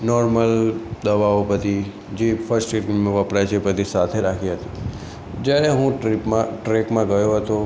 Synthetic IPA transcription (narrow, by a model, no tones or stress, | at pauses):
nɔɾməld̪əʋaopət̪ʰi | d͡ʒefʰəɾsʈeʈmeʋəpɾajt͡ʃʰepət̪ʰisat̪ʰeɾakʰiɦət̪i | d͡ʒjaɾeɦũʈɾipmãʈɾekmãɡəjoɦət̪o